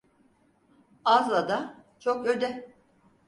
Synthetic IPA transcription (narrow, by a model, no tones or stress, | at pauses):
azlˠad̪at͡ʃʰokød̪ɛ